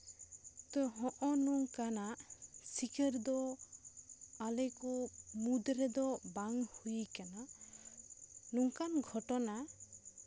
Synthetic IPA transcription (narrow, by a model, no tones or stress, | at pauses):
t̪ɔɦɔʔɔnuŋkanasikəɾd̪ɔ | alɛkɔmud̪ɾɛd̪ɔbaŋhujikana | nuŋkanɡʱɔʈɔna